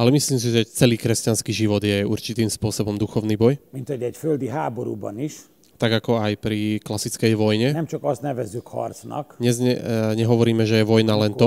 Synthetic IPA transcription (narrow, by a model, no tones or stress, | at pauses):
alɛmisliːms̬iʒɛt͡sɛliːkɾɛscanskiːʒiʋɔd̪jɛuɾt͡ʃit̪iːmspʊɔsɔbɔmd̪uxɔʊniːbɔjmint̪hoɟɛcføld̪iɦaːboɾṵbɔ̰niʃ | t̪aɡakɔajpɾiklasit͡skɛjʋɔjɲɛnɛmt͡ʃɒkɔst̪nɛʋɛzːykhɒ̰rsnɒ̰k̪ɲɛzɛɲɛɦɔʋɔɾiːmɛʒɛjɛʋɔjnalɛnt̪ɔ